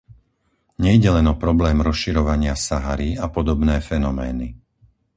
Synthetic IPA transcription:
ɲɛjɟɛlɛnɔpɾɔblɛːmɾɔsʃiɾɔʋaɲɪasaɦaɾiapɔd̪ɔbnɛːfɛnɔmɛːni

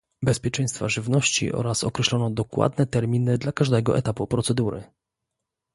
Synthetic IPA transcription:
bɛspʲjɛt͡ʂɛj̃st̪faʐɘvnɔɕt͡ɕḭʔɔ̰ɾasɔkɾɛɕlɔnɔd̪ɔkwa̰d̪nɛt̪ɛɾmʲinɘd̪lakaʐd̪ɛɡɔʔɛ̰t̪apupɾɔt̪sɛd̪uɾɘ̰

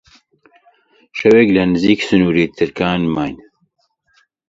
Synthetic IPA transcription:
ʃɐweːklɐnɨziːksɨnuːɾet̪ʰɨɾkaːnmaːn

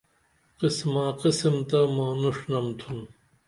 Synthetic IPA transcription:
qismaːqisimt̪ɐmaːnuʂnɐmt̪ʰun

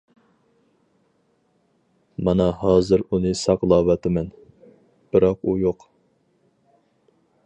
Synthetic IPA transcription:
mɑnɑhɑːzɨɾunɨsɑqlˠɑːwɑt̪ʰɪmɛn | b̥ɨɾɑqujoq

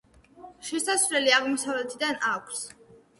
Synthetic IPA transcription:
ʃɛsasvlɛliaʁmɔsavlɛt̪ʰid̪anakʷʰs

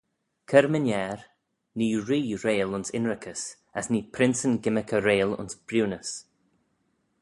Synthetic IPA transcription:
kʰəɾmənjɛːɾ | niːɹiːɾeːlʊnsɪnɹɪkʰəs | asniːpʰɾɪnsənɡɪməkʰəɾeːlʊ̰nsb̥ɾuːnəs

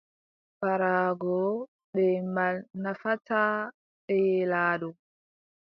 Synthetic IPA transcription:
paɾaːɡɔ | ɗɛmalnafataː | ɓɛjɛlaːɗɔ

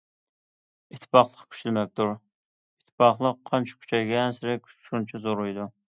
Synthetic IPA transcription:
it̪ʰːpɑχlˠəqkʲʰy̥ʃylmɛk̚ʲt̪ʰuɾ | it̪ʰːɪ̥pɑχlˠəqʰːɑnt͡ʃʰḁkʲʰy̥t͡ʃʰɛjɡʲɛːnsɪɾɛkʲʃunt͡ʃʰizoɾujd̪u

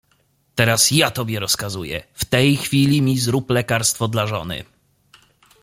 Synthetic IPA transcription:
t̪ɛɾasjat̪ɔbʲjɛɾɔskazujɛ̰ft̪ɛjxfʲilʲimʲizɾuplɛkaɾst̪fɔd̪laʐɔ̰nɘ̰

